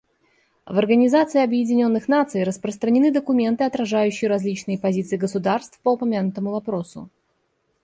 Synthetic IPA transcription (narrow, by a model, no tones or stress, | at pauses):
vɐrɡənʲɪzat̪sɨɪɐbjɪdʲɪnʲo̞nːɨxnat̪sɨjɾəspɾəst̪ɾənʲɪnɨd̪əkʊmʲe̞nt̪ɨɐt̪ɾɐʐajʉɕːɪjəɾɐzʲlʲit͡ɕnɨjəpɐzʲit̪sɨɪɡəsʊd̪arst̪fpəʊpɐmʲanʊt̪əmʊvɐpɾo̞sʊ̰